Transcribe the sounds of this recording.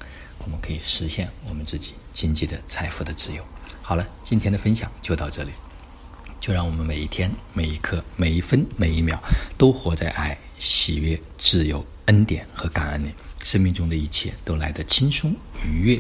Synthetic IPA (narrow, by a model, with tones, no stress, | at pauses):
wɔ˨˩mə˧˦nkʰɤ˧˥i˨˩ʂɻ̩˧˥ɕjɛ˥˩nwɔ˨˩mə˦nt͡sɹ̩˥˩t͡ɕi̥˨˩˦t͡ɕi˥ŋt͡ɕi˥˩d̪ə˩t͡sʰa˧˥ɪfu˧˥˩d̪ə˨t͡sɹ̩˥˩jo˧˥ʊxɑ˨˩ʊlə˦t͡ɕi˥˩nt̪ʰjɛ˥nd̪ə˨fə˥nɕjɑ˨˩ŋt͡ɕjo˥˧ʊt̪ɑ˥˧ʊʈ͡ʂɤ˥˩li˨˩ | t͡ɕjo˥˧ʊɻɑ˥˩ŋwɔ˨˩mə˦nme˨˩ɪi˥˩t̪ʰjɛ˥nme˨˩ɪi˧˥kʰɤ˥me˨˩ɪi˥˩fə˥nme˨˩ɪi˥˩mjɑ̰˨˩ʊt̪o˥ʊxwɔ˧˥t͡sa˥˧ɪʔa̰˥˩ɪ | ɕḭ˨˩ɥɛ˥˩ | ʈ͡ʂɻɹ̩˥˩jo˧˥ʊ | ə˥nt̪jɛ˨˩nxɤ˧˥ka˨˩nə˥nli˨˩˦ʂə˥ŋmi˥˧ŋʈ͡ʂʊ˥ŋd̪ə˨i˥˩t͡ɕʰjɛ˥˩t̪o˥ʊla˧˥ɪd̪ə˧t͡ɕʰi˥nʂʊ˥ŋy˧˥ɥɛ˥˩